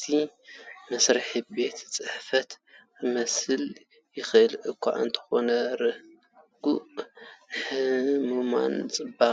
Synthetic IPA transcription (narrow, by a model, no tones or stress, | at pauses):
t̪ʰimɐsɾɨħibe̞t̪t͡sʼɨħfɐt̪ | ɨmɐsɨl | jɪxʔɨlʔɨkʰːa̰ʕa̰ɨnt̪ʰɐ̥xo̞nɐɾɨ | ɡ̥uʔ | ħɨmuma̰nt͡sʼɨba